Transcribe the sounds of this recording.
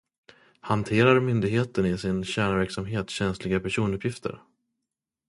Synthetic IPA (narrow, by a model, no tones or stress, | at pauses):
hant̪ʰeːɾaɾmʏnd̪ɪɡɦeːt̪ənɪsɪnɕæːɳavæɾksamɦeːt̪ɕɛnslɪɡapʰæʂuːnɵpʰjɪft̪ʰə̰ɾ